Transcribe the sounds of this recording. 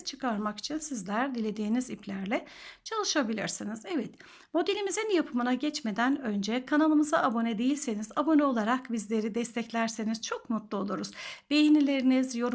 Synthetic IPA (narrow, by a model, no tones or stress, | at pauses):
t͡ʃʰɯkaɾmaki̥t͡ʃʰinsizlʲæɾd̪ilʲe̞d̪iːniziplʲæɾlʲɛt͡ʃʰalˠɯʃabilʲḭɾsinizɛvɛt̪ | mo̞d̪elʲimizinjapʰɯmɯnaɟɛt͡ʃme̞d̪ænø̞nd͡ʒɛkʰanalˠɯmɯzaːbo̞nɛd̪e̞jilʲsenizabo̞nɛo̞lˠaɾakbizlʲe̞ɾid̪ɛst̪ʰɛclʲæɾse̞niz̥t͡ʃʰo̞kmut̪lˠuo̞lˠuɾuzb̥e̞jinilʲe̞ɾinizjo̞ɾ